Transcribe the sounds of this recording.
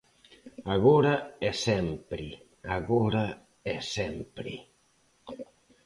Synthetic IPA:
aɣoɾaɛsɛmpɾɪ | aɣoɾa | ɛsɛmpɾɪ̰

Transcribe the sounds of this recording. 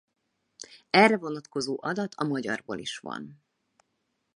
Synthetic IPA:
ɛrːɛvo̞nɒt̪ko̞zoːʔɒd̪ɒt̪ʰɒmɒɟɒ̰rbo̰ːliʃʋɒ̰n

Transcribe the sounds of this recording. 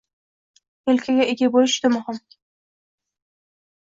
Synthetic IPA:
elkʲʰaɡʲaʔeɡʲabolɪʃt̪ɪmʊhʊm

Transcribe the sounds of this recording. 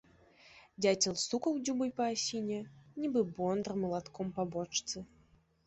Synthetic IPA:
d͡zʲat͡sʲɛlˠsukɐwd͡zʲubɨjpɐːsʲinʲɛnʲibɨbɔnd̪ɾmɐlˠat̪kʰɔmpabɔt͡ʂt̪sɨ

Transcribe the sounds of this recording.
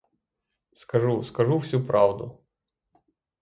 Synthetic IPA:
skɐʒuskɐʒuwsʲupɾʔɑwd̪ʊ

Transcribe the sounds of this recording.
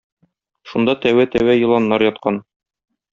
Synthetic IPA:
ʃund̪ɑt̪æwæt̪æwæjɤ̆lˠɑnːɑɾjɒt̪̚qɑn

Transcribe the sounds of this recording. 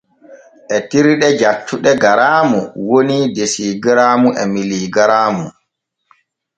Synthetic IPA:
ʔɛtiɾɗɛd͡ʒatːuɗɛɡaɾaːmuwonidesiɡiɾaːmuʔɛmiliːɡɾaːmu

